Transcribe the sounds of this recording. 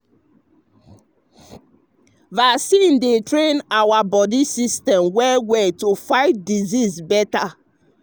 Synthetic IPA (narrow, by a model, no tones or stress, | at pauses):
vasĩndetɹẽnawabɔdisistɛ̃mwɛwɛtufaɪvdizizbɛta